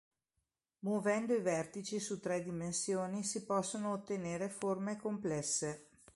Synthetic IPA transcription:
mwovɛnd̪oivɛrt̪it͡ʃisut̪ːɾɛd̪imensjoːnisipɔsːonoːt̪ːeneːɾeformekomplɛsːe

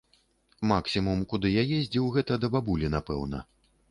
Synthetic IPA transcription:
maksʲimumkud̪ɨjajezʲd͡zʲiwɣɛt̪ɐd̪ɐbabulʲinapɛ̰wnɐ̰

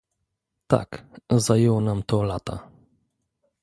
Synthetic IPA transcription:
t̪a̰kzajɛwɔnamt̪ɔlat̪a̰

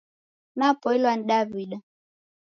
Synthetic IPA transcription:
napɔilwaniɗaviɗa

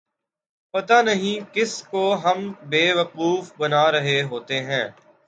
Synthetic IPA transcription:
pɐt̪anɐɦĩkɪskoɦɐmbeːʋɐquːfbɐnaɾɐɦeɦoːt̪eɦɛ̃ː

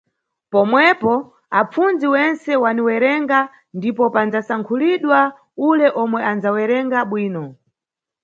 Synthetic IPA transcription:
pɔmwɛpɔ | ap͡fund͡ziwɛnsɛwaniwɛɾɛŋɡa | ndipɔpand͡zasaŋkʰuliɗwa | ulɛʔɔmwɛanzawɛɾɛŋɡaɓwiːnɔ

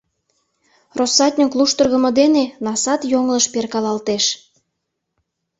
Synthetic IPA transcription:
rosɑt̪ʲnʲəkluʃt̪ərɣə̆mɤ̆d̪enenɑsɑt̪joŋləʃperkɑlɑlt̪eʃ

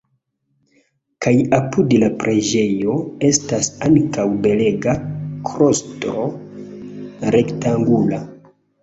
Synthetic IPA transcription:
kajapudlapɾʔe̞d͡ʒe̞jo̞e̞stasaŋkawbe̞le̞ɡakʰɾo̞stɾo | ɾe̞ktaŋɡula

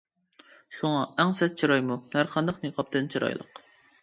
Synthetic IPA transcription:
ʃuŋɑɛŋsɛt̪̚t͡ʃʰiɾɑjmuhæɾqʰɑnd̪ɨqniqʰɑp̚t̪ɨnt͡ʃʰɨɾɑ̰jlˠə̰q

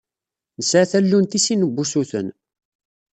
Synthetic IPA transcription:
nəsʕaθælːunt̪isinəbʷːusuθə̰n

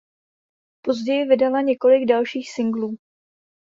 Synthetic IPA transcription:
po̞zɟɛjɪvɪdalaɲɛko̞lɪɡdalʃiːxsɪŋɡluː

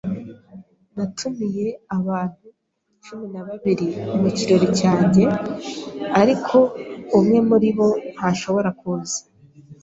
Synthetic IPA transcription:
natʰumije̞aβaːn̥hu | t͡ʃuminaβaβiɾimuciɾo̞ɾicaːɲɟe̞ | aɾikʰo̞umŋe̞muɾiβo̞n̥haʃo̞βo̞ɾakuːzḁ

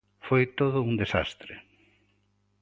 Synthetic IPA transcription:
fojt̪oðʊund̪esa̰st̪ɾe

